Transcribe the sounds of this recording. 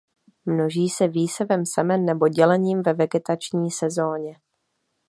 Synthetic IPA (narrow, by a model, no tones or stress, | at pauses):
mno̞ʒiːsɛviːsɛvɛmsɛmɛnːɛbo̞ɟɛlɛɲiːmvɛvɛɡɛt̪at͡ʃɲiːsɛzo̞ːɲɛ